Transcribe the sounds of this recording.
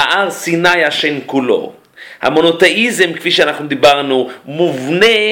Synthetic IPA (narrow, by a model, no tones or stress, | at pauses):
aʔaʁsinajaʃenkulo̰ | ha̰mo̞not̪eʔizemkfiʃeanaχnud̪ibaʁnumuvne